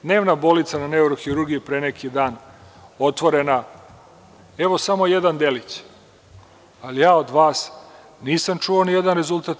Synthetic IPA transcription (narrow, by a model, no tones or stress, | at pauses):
d̪ne̞ːʋnabo̞lit̪sananeuɾoxiɾuɾɡiipɾenekʰid̪aːno̞t̪ʋo̞ɾena | e̞ʋo̞samo̞je̞d̪and̪e̞lit͡ɕ | alijaːo̞d̪ʋaːs | niːsamt͡ʃuʋoːnije̞d̪anɾe̞zulˠt̪at̪